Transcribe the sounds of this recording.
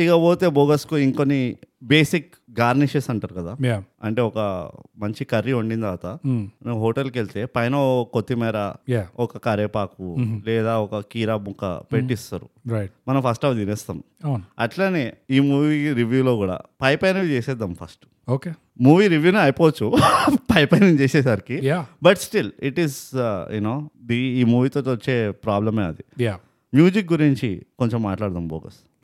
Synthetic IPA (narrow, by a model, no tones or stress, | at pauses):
iɡaboːt̪eːboːɡɐskuiŋkonːibeːsik | ɡaːɾniʃesɐɳʈaːɾukɐd̪aːjaɐɳʈe̞ːɔkɐmɐɲt͡ʃikɐɾːiuɳɖind̪ɐʋat̪ɐneɦoːʈɐlkeɭit̪e̞ːpɐjnɐkot̪ːimɛːɾajaɔkɐkɐɾeːpaːkulɛːd̪aːɔkɐkiːɾaːbukːɐ̰peʈːist̪ɐɾṵɾmɐnɐmpʰɐsʈaːʋd̪ineːst̪ɐːnunɐʈlaneːiːmuːʋiɾiʋjuːloːkuːɽa̰ːpɐjpɐjnɐʋit͡ʃeːsɛːd̪ɐmpʰɐsʈ | oːke | muːʋiːɾiʋjuːniɐjpoːʋɐt͡ʃːupɐjpɐjnɐmt͡ʃɛːsɛːsaɾikijabɐʈsʈiliʈizjṵnoːd̪iiːmuːʋiːt̪oːt̪ʋɐt͡ʃːeːpɾaːblɐmeːɐd̪ia | mjuːd͡ʒik̚ɡuɾiɲt͡ʃikoɲt͡ʃemːaːʈlaːɽt̪ɐmboːkɐ̰s